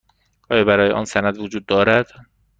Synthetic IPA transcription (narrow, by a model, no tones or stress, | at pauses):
ʔɒːjɒːbæɾɒːjḛʔɒ̰ːnsænæd̪vod͡ʒuːd̪ːɒːɾæd̪̥